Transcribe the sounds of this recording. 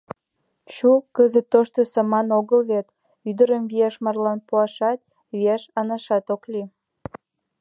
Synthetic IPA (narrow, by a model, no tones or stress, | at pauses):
ɕukəzət̪ːoʃt̪osɑmɑnoɣəlβet̪ | yd̪əɾəmviɑʃmɑrlɑnpuɑʃɑt̪̚ | βiæʃɑnɑʃɑt̪okli